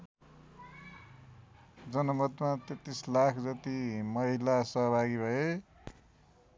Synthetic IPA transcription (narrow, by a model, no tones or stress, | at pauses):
d͡zʌnʌmʌt̪mat̪et̪ːislakʰd͡zʌt̪imʌɦilasʌɦʌbʱaɡibʱʌe